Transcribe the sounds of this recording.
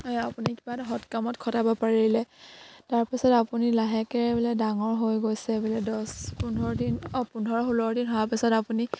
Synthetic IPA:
ɔapunikibadɔɦɔtkamɔtkʰɔtabɔpaɹilɛtaɹpisɔtapunilaɦɛkɛɹɛbɛlɛdaŋɔɹɦojɡojsɛbɛlɛdɔspundʱɔɹdinɔpundʱɔɹɔxulɔɹdinɦɔapisɔtapuni

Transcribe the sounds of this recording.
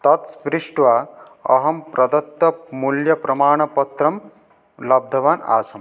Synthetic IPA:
t̪ɐt̪spɾiʂʈʋaː | ɐ̰ɦɐmpɾɐd̪ɐt̪ːɐpmuljɐpɾɐmaːɳ̃ɐpɐt̪ɾɐm | lɐb̚d̪ʱɐʋaːna̰ːsɐm

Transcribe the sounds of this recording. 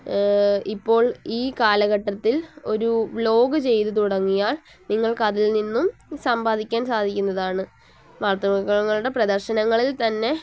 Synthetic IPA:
ipːo̞ːɭiːkaːlɐɣɐʈːɐt̪ːilo̞ɾulo̞ːɡɨt͡ɕe̞jt̪ut̪uɽɐŋːijaːɭ | niŋːɐɭkɐðilninːumsɐmbaːd̪ʱikʲːaːnsaːd̪ʱikʲːunːɐðaːɳɨ | ʋaːrt̪ɐmɐkːɐɭɐŋːɐɭuɽe̞prɐd̪ɐrɕɐnɐŋːɐɭilt̪ɐnːe̞

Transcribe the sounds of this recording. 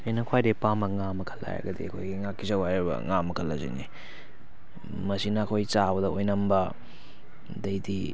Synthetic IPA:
ɐjnɐkʰwajdepamɐŋamɐkʰɐlːa̰jɾɐ̰ɡɐdḭɐkʰojɡiŋakːizɐwhajɾɐbɐ̰ŋamːɐkʰɐlːɐ̰zḛnḭ | mɐsinɐːkʰojt͡ʃabɐdɐʔojnɐmbɐ | dɐjdi

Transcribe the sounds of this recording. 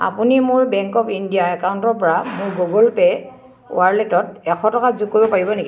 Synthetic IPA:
a̰punimʊɹbɛŋkɔpindijaɛkawuntɔɹpɔɹamʊɹɡoɡɔlpɛ | ṵaɹletɔtɛxɔtɔkazukːobɔpaɹibɔneɡi

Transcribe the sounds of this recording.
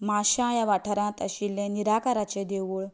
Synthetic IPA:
maɕãjaʋaʈʰəɾãt̪ə̰ɕilẽniɾakaɾat͡ɕed̪eʋuɭ

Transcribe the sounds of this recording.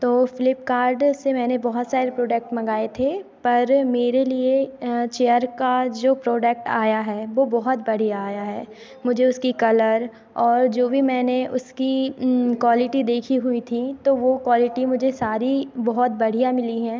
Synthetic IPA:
t̪oːfɪlɪpkaːɾɖsemɛːnebɔɦʊt̪saːɾepɾoːɖək̚ʈmɐɡaːet̪ʰepɐɾmeːɾeliet͡ʃeːəɾkad͡ʒoːpɾoːɖək̚ʈa̰ːjaɦɛːʋobɔɦʊt̪bɐɽ̤ijaːjaɦɛː | mʊd͡ʒʱeʊskikɐləɾ | ɔːɾd͡ʒoːbʱimɛ̃ːneʔʊskikwaːlɪʈid̪eːkʰiɦʊit̪ʰit̪oʋokwaːlɪʈimʊd͡ʒʱesaːɾibɔɦɔt̪̚bɐɽ̤ijamɪliɦɛ̃ː

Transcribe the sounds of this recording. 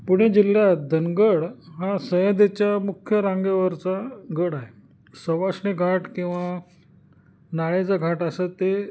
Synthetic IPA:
puɽ̃ed͡ʑilːjad̪ʱənɡəɽɦasəɦəd̪et͡ɕjamukʰjəɾãŋɡeʋəɾt͡saɡəɽaɦe | səʋasɳiɡʱaʈkĩw̃ʋa | naɭed͡zaɡʱaʈasət̪e

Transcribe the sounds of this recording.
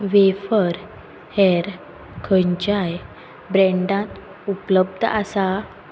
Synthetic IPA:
ʋefəɾ | hɛɾ | kʰəɲt͡ɕaj | bɾɛ̃ɳɖãt̪ | upləbd̪ʱasa

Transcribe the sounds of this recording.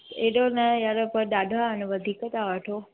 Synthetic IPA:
eɗonəjaɾəpəd̪ad̪ʱaəneʋəd̪ʱikət̪aʋəʈʰo

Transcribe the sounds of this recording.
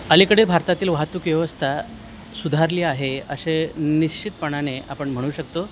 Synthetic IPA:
əlikəɽeilbʱaɾt̪at̪iːlʋaɦt̪uːkʋjeʋəst̪ʰa | sud̪ʱaɾliːaɦeə̰ɕeniɕt͡ɕit̪̚pəɳaneapəɳm̤əɽ̃uːɕəkt̪o

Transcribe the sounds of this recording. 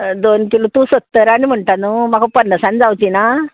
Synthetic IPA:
d̪onkilut̪usot̪ːəɾaɽ̃im̤əɳʈ̪anuːmakapənːəsand͡zawt͡ɕina

